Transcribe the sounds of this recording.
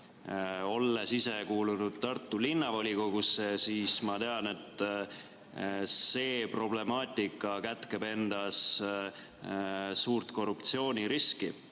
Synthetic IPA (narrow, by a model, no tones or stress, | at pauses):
o̞lːe̞sise̞kuːlunud̪̥̚t̪ɑrt̪ːˑulinːɑvo̞lʲiko̞ɡ̥usːe̞siːsmɑt̪eɑne̞t̪ːˑ | se̞ːpro̞ble̞mɑːt̪ʲːˑikːˑɑkæt̪ˑke̞be̞nd̪̥ɑs | suːrt̪ko̞rːupt̪sio̞ːnʲiɾiski